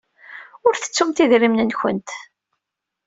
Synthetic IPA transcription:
ʊɾθə̥t͡sːumt̪iðɾimnənçə̰nt̪

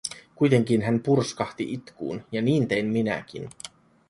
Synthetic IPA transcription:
kujt̪e̞ŋk̟inɦænpurskɑht̪iʔit̪kṵːnjɑniːnt̪e̞jmminæ̰k̟ḭn

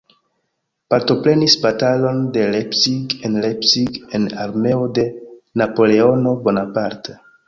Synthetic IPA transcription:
paɾto̞pɾe̞nisbatalo̞nde̞lepsiɡenlepsiɡenaɾme̞ode̞napo̞le̞o̞no̞bo̞napaɾte

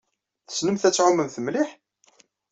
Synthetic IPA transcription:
θə̥snəmθæt͡sːʕʊmːəmθəmliħ

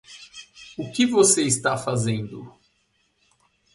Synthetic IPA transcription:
ʊkɪvoseist̪afazẽnd̪ʊ

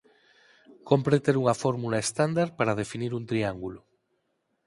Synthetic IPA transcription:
kompɾet̪eɾuŋafoɾmulaest̪and̪aɾpaɾað̞efiniɾunt̪ɾiaŋɡulo

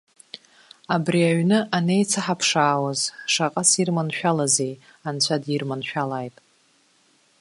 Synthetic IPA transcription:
abriaɥnɨʔanejt͡sʰaħapʰʂaːwazʂaqʼasirmanʃᶣalaze̞j | ant͡ɕʷʰadirmanʃᶣalaːjtʼ

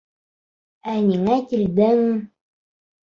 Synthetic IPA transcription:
æniŋækild̪ɘŋ

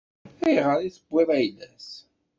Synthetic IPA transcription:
æjʁəɾiθəbʷːɪɾæjlæs

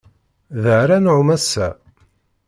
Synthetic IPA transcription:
ðəʕɾænʕumæsːæ

